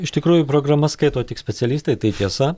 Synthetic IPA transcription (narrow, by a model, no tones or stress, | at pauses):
ɪʃt̪ʲɪkɾuːjʊpɾoːɡɾɐmɐskɐɪt̪oːt̪ʲɪksʲpʲɛt̪ʲɛlʲiːst̪ɐɪt̪ɐɪt̪ʲiɛsɐ